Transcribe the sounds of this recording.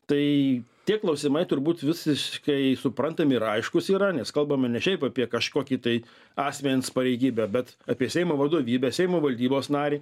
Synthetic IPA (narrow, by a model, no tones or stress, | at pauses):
t̪ɐɪt̪ʲiɛklˠɐʊsʲɪmɐɪt̪ʊrbuːt̪ʋʲɪsʲɪʃkɐɪsʊpɾɐnt̪ɐmɪɾɐɪʃkʊsiːɾɐnʲɛskɐlˠbɐmɐnʲɛʃʲɛɪpɑːpʲiɛkɐʃkoːkʲit̪ɐɪ | ɑːsʲmʲɛnʲspɐɾʲɛɪɡʲiːbʲæːbʲɛt̪ɑːpʲiɛsʲɛɪmoːʋɐd̪oːʋʲiːbʲɛːsʲɛɪmoːʋɐlʲd̪ʲiːboːsnɑːɾʲiː